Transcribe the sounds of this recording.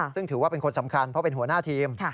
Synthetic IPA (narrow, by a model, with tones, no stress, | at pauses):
sɯ˥˩ŋt̪ʰɯː˩˦waː˥˩pe˧nkʰo˧nsa˩˦mkʰa˧npʰɾɔ˦˥pe˧nɦu˩˦ənaː˥˩t̪ʰiː˧mʰ˥˩